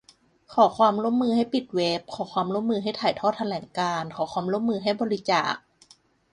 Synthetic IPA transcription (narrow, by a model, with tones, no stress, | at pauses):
kʰɔː˩˦xʰwaː˧mɾu˥˩əmːɯː˧ɦa˥˩jpi˨˩t̪̚weː˦˥p̚kʰɔː˩˦xʰwaː˧mɾu˥˩əmɯː˧ɦa˥˩jt̪ʰaː˨˩jt̪ʰɔː˥˩t̪ʰːa˧lɛː˩˦ŋkaː˧nkʰɔː˩˦xʰwaː˧mɾu˥˩əmːɯː˧ɦa˥˩jbɔː˧ɾi˦˥t͡ɕa̰ː˨˩k̚